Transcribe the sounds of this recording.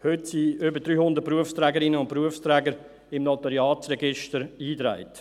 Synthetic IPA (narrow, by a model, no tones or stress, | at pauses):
høtsiøbədɾyːhʊndət̚pɾuəfst̪ɾɛːɡəɾɪnəʊnt̚pɾuəfst̪ɾɛːɡəɾ | ɪmnɔtəɾjɑːtt͡sɾɛɡɪʃtəɾiːtɾa̰ɪt